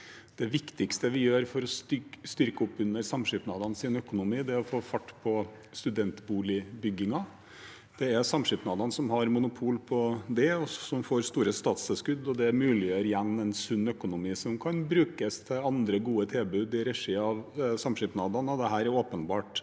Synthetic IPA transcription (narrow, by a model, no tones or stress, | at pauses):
d̪̥ɛʋɪkt̪ɪkst̪əʋɪjøːɾfɔɾɔst̪st̪ʏɾkəɔpːʉnːəɾsɑmʂɪpnɑːd̪ɑnsɪnœkʊnʊmiːd̪ɛɔfoːfɑʈːpʰɔ | st̪ʉd̪ɛnt̪buːlɪbʏɡːɪŋɑ | d̪̥ɛæɾsɑmʂɪpnɑːd̪ɑnsɔmɦɑɾmʊnʊpʰuːlpʰɔd̪ɛɔsɔmfoːɾst̪uːɾəst̪ɑːt̪sɛlskʉd̪ːɔd̪ɛmʉːlɪjøːɾjɛnːɛnsʉnːœkʊnʊmiːsɔmkʰɑnbɾʉːkəst̪ʰɪlɑnd̪ɾəɡuːət̪ʰɪlbʉːd̪ɪɾɛʂiːɑʋsɑmʂɪpnɑːd̪ɑnəd̪ɛɦæːɾɛɾoːpənbɑːʈ